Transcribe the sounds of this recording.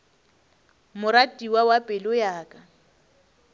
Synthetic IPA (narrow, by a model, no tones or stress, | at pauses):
mʊɾatʼiwawapʼɪlʊjaːkʼa